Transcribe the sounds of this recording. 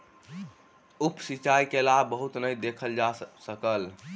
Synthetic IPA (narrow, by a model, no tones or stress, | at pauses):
upsit͡ʃajkelabːəɦut̪nəjd̪ekʰəld͡ʒasəkəl